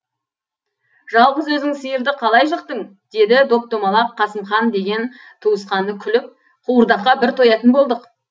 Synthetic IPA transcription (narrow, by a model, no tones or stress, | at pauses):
ʒɑlˠʁəzwɵzɪŋsijɪɾd̪ɪqʰɑlˠɑjʃ̬əqt̪əɴ | d̪̥e̞d̪ɪd̪o̞k̚t̪omɑlˠɑqʰːɑsəmχɑnd̪e̞ɡʲe̞n | t̪ʰuəsqɑnəkʲʰʏlɪp̚ | qʰuwəɾd̪ɑqːɑbɪɾt̪ʰo̞jɑt̪ənbo̞lˠd̪əq